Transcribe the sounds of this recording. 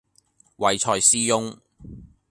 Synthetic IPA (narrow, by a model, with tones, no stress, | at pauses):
wɐ˨jt͡ʃʰɔː˧jsiː˥jʊ˥ŋ